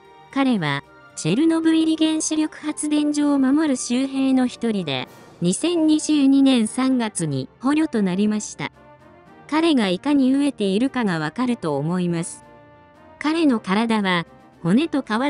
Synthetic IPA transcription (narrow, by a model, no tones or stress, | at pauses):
kaɾe̞βa | d͡ʑe̞ɾɯ̟no̞bɯ̟iɾʲiɡẽ̞ɰ̃ɕiɾʲjo̞kɯ̟̥hat͡sɨd̪ẽ̞ɲ̟d͡ʑo̞ːmamo̞ɾɯ̟ɕɨːɦe̞ːno̞çi̥t̪o̞ɾʲid̪e̞̰ | ɲ̟isẽ̞ɲ̟ːiʑɨːɲ̟inẽ̞ɰ̃sãŋɡat͡sɨɲ̟ḭho̞ɾʲo̞t̪o̞naɾʲimaɕi̥t̪a̰ | kaɾe̞ɡaikaɲ̟iɯ̟e̞t̪e̞iɾɯ̟kaɡaβ̞akaɾɯ̟t̪o̞ːmo̞imasɨ̥ | kaɾe̞no̞kaɾad̪aβa | ho̞ne̞t̪o̞kaβa